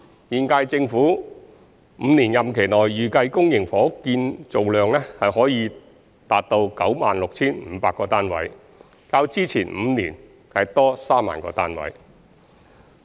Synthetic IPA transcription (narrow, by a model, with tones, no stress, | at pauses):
jiː˨nkaː˧jt͡sɪ˧ŋfuː˨˥ | m̩ː˨˧niː˨˩njɐ˨mkʰe˨˩jnɔː˨˩jːyː˨kɐ˧jkʊ˥ŋjɪ˨˩ŋfɔː˨˥kiː˧nt͡so˨wlœː˨ŋlɛː˥hɐ˨jhɔː˨˥jiː˨˧ | t̪aː˨t̚t̪o˧wkɐ˨˥wma̰ː˨nlʊ˨k̚t͡sʰiː˥nm̩ː˨˧paː˧kːɔː˧t̪aː˥nwɐ̰˨˥j | kaː˧wt͡siː˥t͡sʰiː˨˩nm̩ː˨˧nḭː˨˩n | hɐ˨jt̪ɔː˥saː˥ma̰ː˨nkɔ̰ː˧t̪aː˥nwɐ̰˨˥j